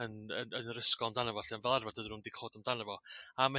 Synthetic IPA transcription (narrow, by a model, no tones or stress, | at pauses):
ənə̰nənrɪskɔamdanɛvɔɬianvɛlˠarvad̥ədnuːndikʰoːdamdanɛvɔama